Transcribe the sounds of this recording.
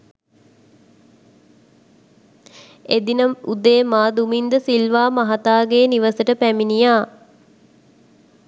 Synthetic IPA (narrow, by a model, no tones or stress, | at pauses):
ed̪inəud̪eːmaːd̪umind̪əsilʋaːmaɦat̪aːɡeːniʋəsəʈəpæminijaː